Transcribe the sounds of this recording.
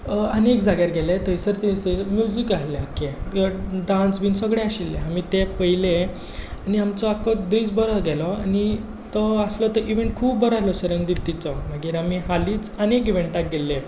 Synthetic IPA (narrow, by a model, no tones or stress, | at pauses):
ənekd͡zʱaɡjaɾɡɛlet̪əisəɾt̪ĩst̪ɔimjud͡zikaɦleake | ɖãnsbiːnsəɡɽeaɕilːeamit̪epəjle | aniamt͡sɔakɔd̪ɾiːt͡sbəɾɔɡɛlɔani | t̪ɔəslɔt̪əɾʔiʋẽɳʈ̚kʰuːbːəɾaɦlɔɕəɾəŋɡd̪ilt̪it͡sɔmaɡiːɾamiɦaliːt͡sənekiʋẽɳʈak̚ɡelːe